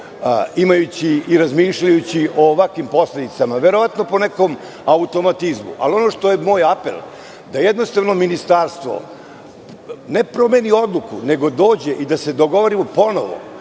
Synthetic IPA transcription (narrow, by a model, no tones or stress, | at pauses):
imajut͡ɕiːɾazmiːʃʎajut͡ɕiʔoʋakʋimpo̞sle̞d̪it̪samaʋeɾoʋat̪no̞po̞neko̞m | aut̪o̞mat̪izmṵʔa̰lio̞noʃt̪o̞jemo̞ːjapḛl | d̪ajed̪nost̪aʋno̞minist̪aːɾst̪ʋo̰ | ne̞pɾomenio̞d̪lˠukṵne̞ɡo̞d̪o̞ːd͡ʑe̞ʔid̪ase̞d̪o̞ɡo̞ʋoɾimopo̞no̰ʋo̰